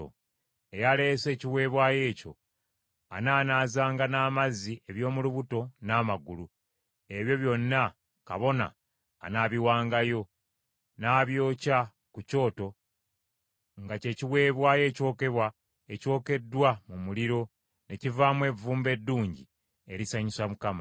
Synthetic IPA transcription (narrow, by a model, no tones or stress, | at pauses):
o̰ | e̞jale̞se̞ːciwe̞ːβwaːje̞ːco̞̰ | a̰naːnaːzaːŋɡanaːmaziʔeβjo̞ːmuluβuto̞naːmaɡulu | e̞βjo̞βjo̞nːa | ka̰βo̞na̰ː | naβiwaːŋɡajo̞ | naːβjo̞ːca | kuco̞ːto̞ | ŋɡace̞ːciwe̞ːβwaːje̞ːco̞ːke̞βwa | e̞co̞ːke̞dwamumuliɾo̞ | ne̞civaːmwe̞ːvuːmbe̞dːuːɲɟi | e̞ɾisaɲisamukama